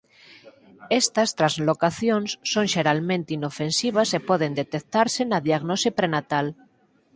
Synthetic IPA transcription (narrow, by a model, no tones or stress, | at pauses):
est̪ast̪ɾazlokaθjõnsːoŋʃeɾalmẽnt̪inofensiβ̞asepoð̞end̪et̪ek̚t̪aɾsenaðiaɣnosipɾenat̪al